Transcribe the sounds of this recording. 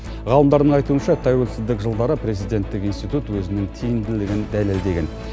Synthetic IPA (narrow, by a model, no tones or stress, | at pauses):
ʁɑlˠəmd̪ɑɾd̪əɴɑjt̪uənʃɑt̪ʰɑjwɵlsɪzd̪ɪkʒəlˠd̪ɑɾəpre̞zijd̪e̞nt̪ːɪkinst̪ijt̪ut̪wɵzɪnɪŋt̪ʰijɪnd̪ɪlɪɡʲɪnd̪æle̞ld̪e̞ɡʲe̞n